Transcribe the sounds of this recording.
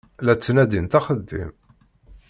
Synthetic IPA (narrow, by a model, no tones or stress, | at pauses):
læt͡sːnæd̪int̪ɑχəd̪ːḭm